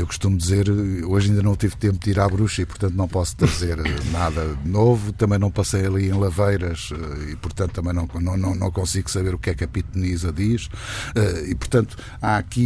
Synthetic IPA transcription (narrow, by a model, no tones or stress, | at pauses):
ewku̥ʃt̪umud̪izeɾoʒɐĩd̪ɐnɐ̃w̃t̪ivt̪ẽmp̚ud̪iɾaβɾuʃɐipuɾt̪ɐ̃nt̪unɐ̃w̃pɔst̪ɾɐzeɾnaðɐðɨnovut̪ɐmɐ̃j̃nɐ̃w̃pɐsɐjɐlˠiẽj̃lˠɐvɐjɾɐʃɛipuɾt̪ɐ̃nut̪ɐmɐ̃j̃nɐ̃w̃nɐ̃w̃nɐ̃w̃nɐ̃w̃kõsiɣusɐβeɾukɛkɐpit̪unizɐðiʃɛipuɾt̪ɐ̃nt̪u̥ | aɐki